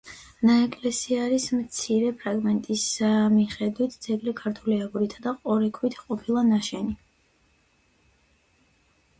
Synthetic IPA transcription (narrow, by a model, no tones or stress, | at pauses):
naɛkʼlɛsiaɾismt̪sʰiɾɛpʰɾaɡmɛnt̪ʼismiχɛd̪wit̪ʰd̪z̥ɛɡlikʰaɾt̪ʰuliaɡuɾit̪ʰad̪aqʼɔɾɛkʰwit̪ʰqʼɔpʰilˠanaʃɛni